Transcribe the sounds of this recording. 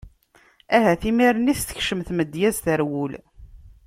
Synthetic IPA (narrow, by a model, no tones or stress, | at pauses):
æɦæθimiɾniθθə̥çʃəmθməd̪jæzθəɾwul